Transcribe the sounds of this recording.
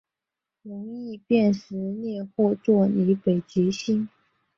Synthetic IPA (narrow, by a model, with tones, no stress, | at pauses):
ɻʊ˧˥ŋi˥˧pjɛ˥˩nʂɻ̩˧˥njɛ˥˧xwɔ˥˧t͡swɔ˥˩ni˧˥pe˨˩ɪt͡ɕɛ˧˥ɕi˥ŋ